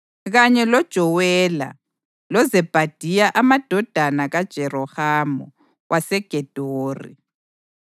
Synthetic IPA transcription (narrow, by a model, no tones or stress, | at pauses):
ɣaɲɛlɔd̥ʒ̥ʱɔwɛla̰ | lɔzɛb̥ʱad̥ʱijaʔamad̥ʱɔd̥ʱanaɣad̥ʒ̥ʱɛrɔhaːmɔ̰ | wʔasɛɡ̥ʱɛd̥ʱoːrḭ